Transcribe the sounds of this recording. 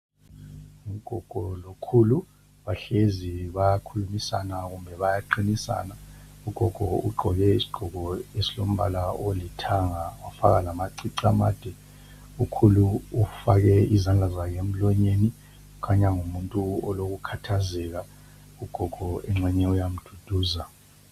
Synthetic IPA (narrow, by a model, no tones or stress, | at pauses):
ŋuɡ̥ʱɔɡ̥ʱɔlokʰuːlu | βaɬeziβajakʰulumisanaɣumbʱɛβajaǃinisa̰ːnauɡ̥ʱɔɡ̥ʱɔuɡ͡ǃʱɔɣɛisi̥ɡ͡ǃ̥ʱɔɣʱɔesilom̩βalaolitʰaŋaafa̰ɣalamaǀiǀama̰ːd̥ʱɛ | ukʰuluufaɣɛizand͡ɮʱazaɣem̩lɔɲeni | ukʰaɲaŋumuntʼuɔloɣukʰatʰazɛɣa | uɡ̥ʱɔɡ̥ʱɔɛŋ͡ǁɛɲɛujam̩d̥ʱud̥ʱuːza